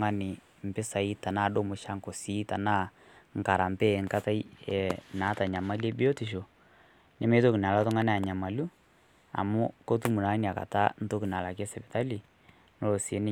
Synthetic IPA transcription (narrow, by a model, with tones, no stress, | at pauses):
ŋa˦nɪ˨ | m̩˨pɪ˦sa˨i˦ta˨naː˦˨ɗo˦mʊ˨ʃa˦ŋ˨ko˨si˦ta˨na˦ | ŋ˨ka˨ɾa˨mpe˦˨ŋka˦ta˦jɛ˨na˨˦ta˨ɲa˨ma˦le˦bi˦o˦ti˨ʃ̬o˨ | nɛ˦me˦to˦ki˨na˨la˦tʊ˦ŋa˦na˦a˨ɲa˨ma˨lu˦ | a̰˨mʊ˦ko˦tu˦mu˨na˨˦n˨a˨ka̰˨ta˦n̩˦to˦ki˨na˨la˨ke˦sɛ˨bɛ˨ta˦li˨ | no˦lo˨se˦nɪ˦